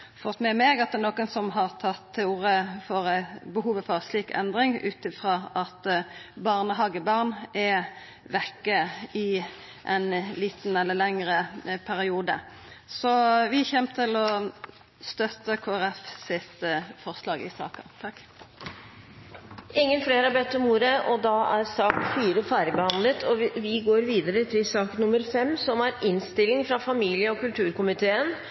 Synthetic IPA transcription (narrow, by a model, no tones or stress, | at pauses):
fɔʁt̪ːmɛmeːɡɑt̪̚d̪ɛnoːkənsɔmɦɑʁt̪ʰɑt̪ʰæuːʁəfɔʁæɪbəɦuːʋəfɔʁsliːkɛ̰nd̪ʁɪŋʉ̰ːt̪ɪfɾɑːʔɑt̪bɑːʁnəɦɑːɡəbɑʁnɛ | ʋɛkːəɪ | ʔɛnliːt̪n̩ɛlːəlɛŋɾəpʰæɾɪuːd̪ə̰ | sɔʋɪçɛmt̪ʰɪlɔ | st̪œt̪ːəkʰoːæɾɛfsɪt̪fɔɾslɑːɡɪ̰sɑ̰ːkət̪ʰɑkː | ʔɪŋːənfleːɾəɑɾbɛt̪ʰːɔmuːɾəʔɔd̪ɑæɾsɑːkfyːɾəfæːɾɪəbəhɑnlət̪ʰɔʋɪɡoːɾʋiːd̪əɾət̪ʰɪlsɑːkənʊmːəɾfɛmːsɔmæɾɪnst̪ɪlːɪŋfɾɑfɑmiːlɪəɔkʉlt̪ʰʉːɾkʊmɪt̪ʰeːən